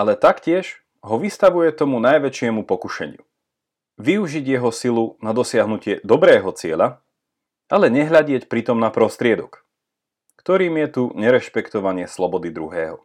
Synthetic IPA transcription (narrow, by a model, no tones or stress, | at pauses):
ʔalɛt̪akcɪɛʒ | ɦɔʋist̪aʋujɛt̪ɔmunajʋɛt͡ʃɪɛmupɔkuʃɛ̰ɲɪ̰ṵ | ʋiuʒiɟjɛɦɔsilunad̪ɔsɪaɦnucɪɛd̪ɔbɾɛːɦɔt͡sɪɛʎa | ʔalɛɲɛɦʎaɟɪɛcpɾit̪ɔmnapɾɔst̪ɾɪɛd̪ɔk | kt̪ɔɾiːmjɛt̪uɲɛɾɛʃpɛkt̪ɔʋaɲɪɛslɔbɔd̪id̪ɾuɦɛːɦɔ